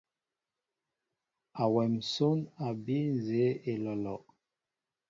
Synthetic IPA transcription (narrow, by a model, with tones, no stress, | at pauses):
a˨wɛ˨mso˦na˨bi˦n˨ze˨˦e˨lɔ˨lɔ˨ʔ